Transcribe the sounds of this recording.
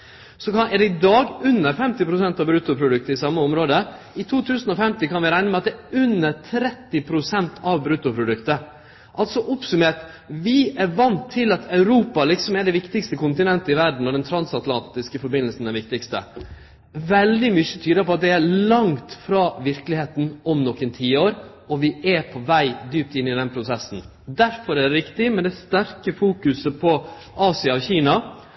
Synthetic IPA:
sɔkɑɛɖɛɪd̪ɑːɡʉnːəɾfɛmt̪ɪpʰɾʊsɛnt̪ɑʋbɾʉːt̪ʊpʰɾʊd̪ʉk̚t̪əɾɪsɑmːəɔmɾoːd̪ə | ɪt̪ʰuːt̪ʰʉːsənɔfɛmt̪ɪkʰɑnʋɪɾæɪnəmɛɑt̪̚d̪ɛʉnːəɾt̪ʰɾɛt̪ːɪpʰɾʊsɛnt̪ʰɑʋbɾʉːt̪ʊpʰɾʊd̪ʉkt̪ə | ʔɑlt̪sɔʔɔpsʉmeːʈ | ʋɪæɾʋɑnt̪ʰːɪlɑt̪ʰɑʉɾuːpɑlɪksɔmɛɾɖɛʋɪkt̪ɪkst̪əkʊnt̪ɪnɛnt̪əɪʋæɖɳ̩ɔd̪ɛnt̪ʰɾɑnsɑt̪lɑ̰nt̪ɪskəfɔɾbɪnːəlsn̩æɾʋɪk̚t̪ɪkst̪ə̰ | ʋɛld̪ɪmʏçət̪ʰyːd̪əpʰɔɑt̪̚d̪ɛælɑŋt̪fɾɑːʋɪɾklɪheːt̪n̩ɔmnɔkːənt̪ʰiːoːɾ | ɔʋɪʔɛpʰɔʋæɪd̪yːp̚t̪ɪnːɪd̪ɛnpʰɾʊsɛsːn̩ | d̪æɾfɔɾæɖ̪ɛɾɪkt̪ɪmɛnd̪ɛst̪æɾkəfuːkʉsəpʰɔ | ʔɑːsɪɑɔçiːnɑ

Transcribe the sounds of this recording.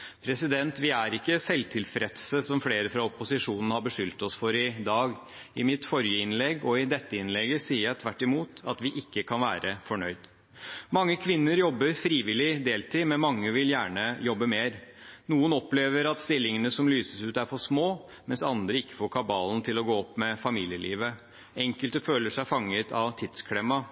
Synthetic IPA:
pʰɾɛsɪd̪ɛnt̪ʋɪæɾɪkːəsɛlt̪ʰɪlfɾɛt̪səsɔmfleːɾəfɾɑɔpʊsɪʂuːnnəhɑɾbəʂʏlt̪ɔsfɔɾɪd̪ɑːɡ | ɪmɪt̪fɔɾjəɪnlɛɡɔɪd̪ɛt̪ːəɪnlɛɡəsiːəɾjæt̪ʰʋæʈːɪmuːt̪ɑt̪ʋɪʔɪkːəkʰɑnʋæːɾʔəfɔɳœʏd̪ | mɑŋːəkʰʋɪnːəɾjɔbːəɾfɾiːʋɪlɪd̪eːlt̪ɪːmɛnmɑŋːəʋɪljæːɳəjɔbːəmeːɾnuːənɔpleːʋəɾɑt̪st̪ɪlːɪŋənəsɔmlyːsəsʉːt̪æɾfɔsmoː | mɛnsɑ̰nd̪ɾəɪkːə̥foːɾkʰɑbɑːln̩t̪ʰɪlɔɡoːɔpːmɛfɑmiːljəlʔḭːʋə | ɛŋkəlt̪əføːləʂæɪfɑŋːət̪ʰɑ̰ʋt̪ʰɪd̪skʰlɛmːɑ

